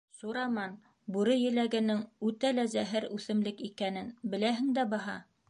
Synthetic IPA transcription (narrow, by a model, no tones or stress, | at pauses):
suɾɑmɑn | buɾɤjɘ̆læɡɘ̆nɘŋʉt̪ælæzæɦɘɾʉθɘ̆mlɘkikænɘnbɘ̆læɦɘŋd̪æbɑɦɑ̰